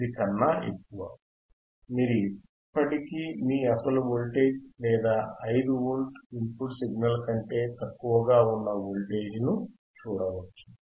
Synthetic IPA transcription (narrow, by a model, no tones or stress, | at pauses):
ikɐnːaḛkːuʋɐ | miːɾui | pːɐʈikiːmiːɐsɐluʋolʈeːd͡ʒlɛːd̪aːɐjd̪uʋulʈimpuʈsiɡnɐlkɐɳʈe̞ːt̪ɐkːuʋɐɡaːunːɐʋolʈeːd͡ʒnu | t͡ʃuːɽɐʋɐt͡ʃːu